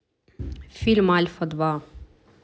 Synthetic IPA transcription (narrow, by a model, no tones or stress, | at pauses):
filmʕalfɑd̪bɑː